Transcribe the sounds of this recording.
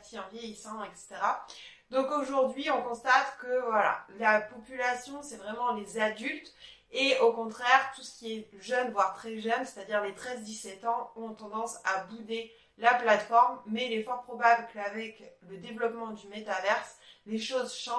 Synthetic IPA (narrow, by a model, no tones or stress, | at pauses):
t̪iɑ̃vjɛjisɑ̃ɛkse̥t̪eʁa | d̪ɔ̃koʒuʁd̪ɥiɔ̃kɔ̃st̪at̪kəvwala̰lapɔpylasjɔ̃sɛvʁɛmɑ̃lezad̪ylt̪ | eokɔ̃t̪χɛʁt̪usə̥kʲiɛʒœnvwaʁt̪χɛʒœnse̥t̪ad̪iʁlet̪χɛzd̪isɛt̪ɑ̃ɔ̃t̪ɑ̃d̪ɑ̃sabud̪e | laplat̪fɔʁmːɛilɛfɔʁpχɔbablkavɛkləd̪evlɔpmɑ̃d̪ymet̪avɛʁsleʃozʃɑ̃